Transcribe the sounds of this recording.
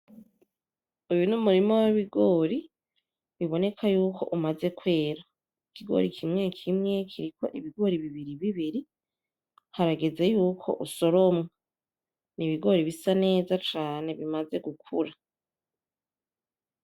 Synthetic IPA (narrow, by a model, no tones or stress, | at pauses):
ujunumuɾimo̞waβiɡoːɾi | βiβo̞ne̞kʰajuːko̞̰ʔumaze̞kwe̞ːɾa | ikʰiɡo̞̰ɾikʰimŋe̞kʰimŋe̞kʰiɾikʰo̞̰ʔiβiɡo̞ːɾiβiβiɾiβiβiɾi | haɾaɡe̞ze̞juːkʰo̞̰ʔuso̞ɾomŋa | niβiɡo̞ɾiβisane̞ːzat͡ʃaːne̞βimaze̞ɡukʰuɾa